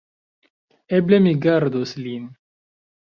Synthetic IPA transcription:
eblemiɡaɾd̪oslin

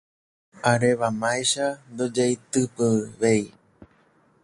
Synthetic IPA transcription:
aɾeʋamajʃand̪od͡ʒejt̪ɨpɨʋei

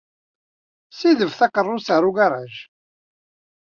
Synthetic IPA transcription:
siðəvθɑqərˤːʊsaɾˤʊɡaɾˤaʒ

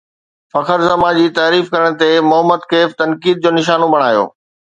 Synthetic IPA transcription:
fɐkʰəɾzɐmãd͡ʑiːt̪aːɾiːfkɐɾəɽ̃t̪emʊɦəmːəd̪kʰeːft̪ɐnkiːd̪̚d͡ʑoːnɪʃaːnõbʱɐɽ̃aːjo̰ː

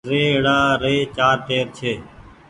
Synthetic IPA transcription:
ɾeːɪɽaːɾeːt͡ʃaːɾʈeːɾt͡ʃʰeː

